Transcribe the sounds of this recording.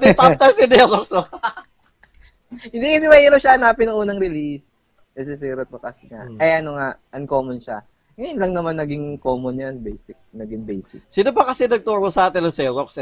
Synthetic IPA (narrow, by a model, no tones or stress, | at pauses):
d̪ɛt̪at̪ɐjsɪnɛzokso | hɪnd̪ikɐsɛmɐhiːɾoʃaɐnaːpɪnɐŋʔuːnɐŋɾɪlis | kɐs̬ɛs̬iɾot̪okɐsɛŋa̰ʔʔɐjɐnoŋaʔɐŋkoːmonʃa̰ | ŋɐjonlɐŋnɐmanːɐɡɪŋkoːmonjanbejsɪk̚nɐɡɪŋbejskɪsinobɐkɐsɛnɐɡ̚t̪oːɾosɐaːt̪ɛnɐŋsɛzoks